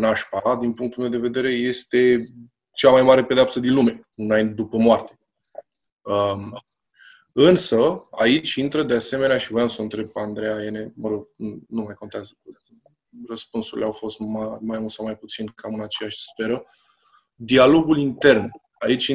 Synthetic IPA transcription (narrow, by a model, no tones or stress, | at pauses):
naʃpad̪inpuŋkt̪ulmewd̪e̞ve̞d̪e̞ɾe̞je̞st̪e̞ | t͡ʃamajmaɾe̞ped̪eapsəd̪inlume̞ | unajnd̪upəmoart̪e̞̥ | ə | ɨnsəa̰it͡ʃʲint̪ɾəd̪ease̞me̞neaʃivojamsoɨnt̪ɾe̞b̚pand̪ɾejaene̞məɾo̞ɡ̚numajko̞nt̪eazə | rəspunsuɾileawfo̞st̪mamajunsawmajput̪sinkʰamɨnat͡ʃe̞jaʃʲspe̞ɾə | d̪ialo̞ɡulint̪e̞rn | ait͡ʃʲ